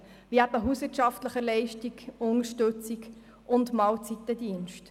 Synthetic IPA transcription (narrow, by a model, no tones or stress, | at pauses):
viæbəɦuːsvɪːɾtʃɑftləχəlɛɪʃtikʊnəɾʃtɵt͡siɡ | ʊndmɑːlt͡sit̪ːədiːnʃt